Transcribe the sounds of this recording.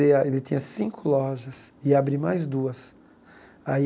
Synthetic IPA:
eɐelɪt̪ĩɲɐsĩkʰʊlɔʒɐsɪabɾimajzd̪uɐs | ai

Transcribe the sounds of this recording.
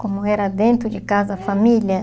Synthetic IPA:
komʊɛɾɐd̪ẽnt̪ɾʊd͡ʒɪkazɐfamiljɐ

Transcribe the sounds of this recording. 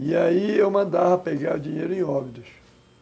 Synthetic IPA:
iaiewmɐ̃nd̪avɐpeɡaɾʊd͡ʒĩɲejɾʊẽj̃ɔbid̪ʊʃ

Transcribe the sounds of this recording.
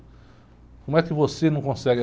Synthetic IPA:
kõmʊɛkɪvosenɐ̃w̃kõsɛɡ

